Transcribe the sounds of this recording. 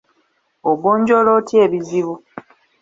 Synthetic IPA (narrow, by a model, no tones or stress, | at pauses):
oɡoːɲɟolotje̞ːβiziβu